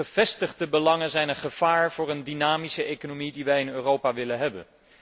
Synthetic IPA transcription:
əv̥ɛstəχdəbəlɑŋənzɛjnəχəv̥aːɹv̥ʊːɹəndynaːmisəejkonomidiʋɛjɪnøːrowpaʋɪlənɦɛbə̰n

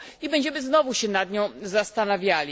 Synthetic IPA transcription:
ibɛɲd͡ʑɛmɘznɔvuɕɛnad̪ɲɔ̃w̃zast̪anavʲjalʲi

